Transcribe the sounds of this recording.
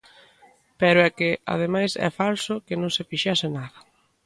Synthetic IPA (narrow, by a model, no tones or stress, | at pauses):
pɛɾʊɛkɪa̰ðemajsɛ̰falsʊkɪnõŋsɪfiʃɛsɪnaðɐ